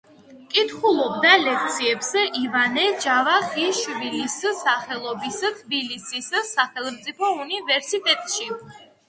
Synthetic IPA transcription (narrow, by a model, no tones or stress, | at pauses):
kʼit̪ʰχulˠɔb̚d̪alɛk̚ʰt̪sʰiɛpsɛivanɛd͡ʒavaχiʃvilissaχɛlˠɔbist̪ʰbilisissaχɛlˠmt̪sʼipʰɔunivɛɾsit̪ʼɛt̪ʼʃi